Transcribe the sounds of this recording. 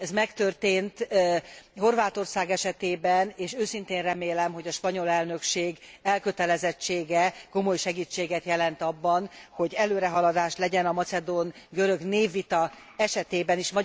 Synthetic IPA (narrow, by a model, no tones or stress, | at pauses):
ɛzmɛkt̪ørt̪eːnt̪ | ho̞rvaːt̪o̞rsaːɡɛʃɛt̪eːbɛneːʃøːsint̪eːnrɛmeːlɛmɦo̞ɟɒʃpɒɲo̞lɛlnø̞kʃeːɡɛlkø̞t̪ɛlɛzɛt͡ʃːeːɡɛko̞mo̞jʃɛɡiːt͡ʃːeːɡɛt̪jɛlɛnt̪ɒbːɒnho̞ɟɛløːɾɛɦɒlɒd̪aːʃlɛɟɛnɒmɒsɛd̪onɡøɾø̞ɡneːvːit̪ɒ | ɛʃɛt̪eːbɛniʃmɒ